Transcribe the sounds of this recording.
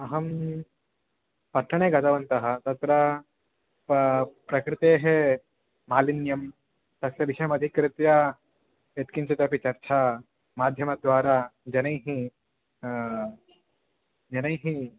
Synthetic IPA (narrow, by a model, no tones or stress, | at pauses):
ɐɦɐm | pɐʈʰːɐɳ̃eːɡɐt̪ɐʋɐnt̪ɐɦɐt̪ɐt̪ɾɐ | ppɾɐkɾɪt̪eɦe | maːlinjɐm | t̪ɐsɐʋiʃɐjɐmɐd̪ʱikːɾɪt̪ja | et̪kint͡ʃit̪ɐpit͡ʃɐɾt͡ʃʰa | maːd̪ʱjɐmɐd̪ʋaːɾaːd͡ʒɐnɐjɦi | d͡ʒɐnɐjɦi